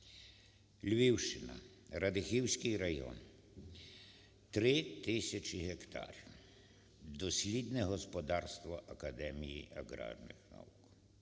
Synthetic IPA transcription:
lʲʋʲiwʃt͡ʃɪnɐ̰ | ɾɐd̪ɪxiwsʲkɪjɾɐjɔ̰n | t̪ɾɪt̪ɪsʲɐt͡ʃiɦɛkt̪ʰɑ̰ɾʲiw | d̪ɔsʲlʲid̪nɛɦɔspɔd̪ɑrst̪ʋɐʔɐkɐd̪ɛmʲijiʔɐɣɾa̰rnɪ̰xna̰wuk

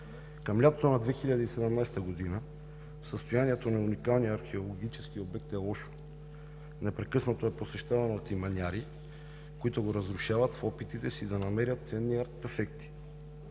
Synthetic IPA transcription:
kɐmlʲat̪ot̪onad̪vɛxiʎʲad̪iːsɛd̪ɛmnajsɛt̪ɐɡod̪inə | səst̪ojaniɛt̪onaunikalˠnijəaɾxɛolˠoɡ̟it͡ʃɛskiobɛk̚t̪ɛlˠɔʃo̥ | nɛpɾɛkɤsnɐt̪oɛposɛʃt̪avɐnot̪imɐnʲaɾi | koit̪oɡoɾɐzɾuʃavɐt̪fɔpit̪it̪ɛsid̪ɐnɐmɛɾʲjɐt̪̚t̪sɛnːiaɾt̪ɛfɛk̚t̪i̥

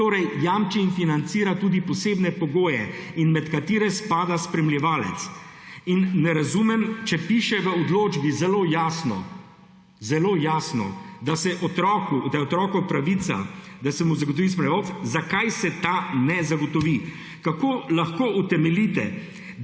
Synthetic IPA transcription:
t̪oːɾɛjjaːmt͡ʃiːnfinant̪siːɾat̪uːd̪ipɔseːbnɛpɔɡoːjɛinmɛt̪kat̪eːɾɛspaːd̪aspɾɛmljɛʋaːlɛ̰t̪sinːɛɾazumɛmt͡ʃɛpiːʃɛʋəɔd̪loːd͡ʒbizɛloːjaːsnɔ̰ | zɛloːjaːsnɔ̰d̪asɛʔɔt̪ɾɔːkud̪ajɛɔt̪ɾɔːkɔpɾaʋit̪sa̰d̪asɛmuzaɡot̪ɔʋiːs̬pɾɛɛʋɔfzakajsɛt̪anɛzaɡɔt̪ɔʋi | kakoːlaxkoʔut̪ɛmɛlit̪ɛ̰

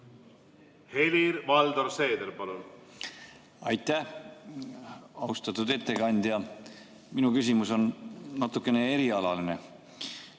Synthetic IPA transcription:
heliɾvɑld̪oɾseːd̪eɾpɑlun | ɑjt̪ːˑæh | ɑust̪ɑt̪ːˑud̪e̞t̪ːe̞kɑnʲd̪jɑ | minukys̬ʲimuso̞nnɑt̪ːˑukːˑe̞ne̞e̞ɾiɑlɑline

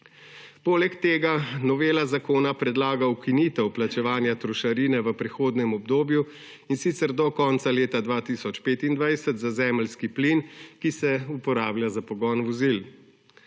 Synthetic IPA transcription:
poːlɛkt̪eːɡanɔʋeːlazakoːnapɾɛd̪laːɡaukiniːt̪ɛwplat͡ʃɛʋaːnjat̪ɾɔʃaɾiːnɛʋəpɾɛxoːd̪nɛmɔbd̪oːbju | insiːt̪sɛɾd̪ɔkɔnt̪saleːt̪ad̪ʋaːt̪iːsɔt͡ʃpeːt̪ind̪ʋajsət̪zazɛːmlskiplinkisɛupɔɾaːbljazapɔɡɔnʋɔzil

